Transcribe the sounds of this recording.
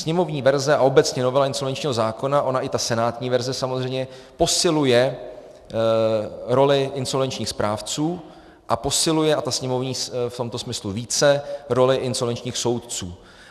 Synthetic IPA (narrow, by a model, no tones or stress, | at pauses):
sɲɛmo̞vɲiːvɛɾzɛaʔo̞bɛt͡sɲɛno̞vɛlaɪnsovɛnt͡ʃɲiːɦo̞zaːko̞naʔo̞naʔɪt̪asɛnaːt̪ɲiːvɛɾzɛsamozr̝ɛjmɲɛpo̞sɪlujɛ | ɾo̞lɪʔɪnsolvɛnt͡ʃɲiːxspɾʔaːft͡suː | ʔapo̞sɪlujɛat̪asɲɛmo̞vɲiːft̪o̞mt̪o̞smɪsluviːt͡sɛɾo̞lɪʔɪnso̞lvɛnt͡ʃɲiːxso̞wt̪t͡suː